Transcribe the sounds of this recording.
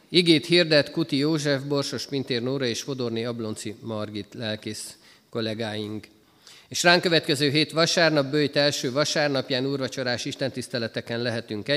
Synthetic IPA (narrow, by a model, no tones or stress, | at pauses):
iɡeːt̪hird̪ɛt̪kut̪ijoːʒɛvbo̞rʃo̞ʃpint̪eːrnoːɾɒeːʃfo̞d̪o̞rneɒblo̞nsimɒrɡit̪lɛlkis | ko̞lɛɡaːjiŋk | eːʃraːŋkø̞vɛt̪kɛzøːɦeːt̪ʋɒʃaːrnɒbbøjt̪ɛlʃøːvɒʃaːrnɒpjaːnuːrvɒt͡ʃo̞ɾaːʃiʃt̪ɛnt̪ist̪ɛlɛt̪ɛkɛnlɛɦɛt̪yŋkɛ